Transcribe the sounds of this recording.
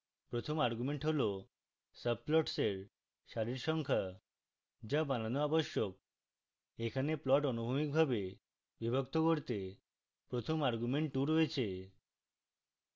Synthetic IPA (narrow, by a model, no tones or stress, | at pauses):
pɾot̪ʰomaɾɡumeɳʈɦolo | səb̚plɔʈseɾ | ʃaɾiɾʃɔŋkʰa | d͡ʑabananoaboʃjok̚ | ekʰaneplɔʈonubʱumik̚bʱabe | bibʱokt̪okoɾt̪e | pɾot̪ʰomaɾɡumeɳʈɖuɾoet͡ɕʰe